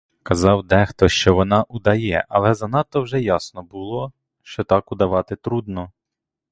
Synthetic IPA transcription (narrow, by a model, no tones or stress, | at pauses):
kɐzɑwd̪ɛxt̪ɔʃt͡ʃɔʋɔnɑʔud̪ɐjɛʔɐlˠɛzɐnɑt̪ːɔwʒɛjɑsnɔbʊlˠɔ | ʃt͡ʃɔt̪ɑkʊd̪ɐʋɑt̪ɪt̪ɾud̪nɔ